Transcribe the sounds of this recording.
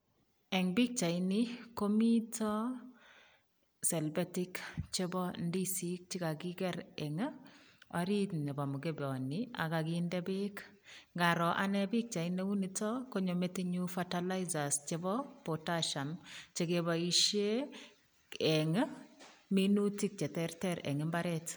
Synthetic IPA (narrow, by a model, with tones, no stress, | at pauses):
ɛ˨ŋbi˦k̚t͡ʃa˨ini˦ko˦mi˦tɔ˦ | sɛ˨lbati˦kt͡ʃe˦bɔ˦ndi˦sik̚t͡ʃi˦ka˨ɡi˦kɛ˦ɾɛ˨ŋ˦ɔ˨ɾi˦tɲe˨ba˨mu˨ɡe˦bɔ˨ni˨a̰˨ka˨kindɛ˦bɪ˦k | ŋɡa˨ɾɔ˨ʔa̰˦nɛ˦bɪ˦k̚t͡ʃa˨ine˦u˦nitɔ˦ko˦ɲo˨me˦tiɲu˦fatala˦iza˨st͡ʃe˦bɔ˦potaʃɔ˨nt͡ʃe˦keba˨i˨ʃe˦ | ɛ˨ŋ | mi˦nu˦ti˦k̚t͡ʃe˨tɛɾtɛɾɛ̰˨ŋɪ˦mba˦ɾɛt